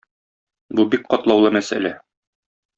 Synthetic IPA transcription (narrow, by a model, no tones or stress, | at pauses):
bubik̚qɒt̪lˠɑwlˠɤmæsæ̰læ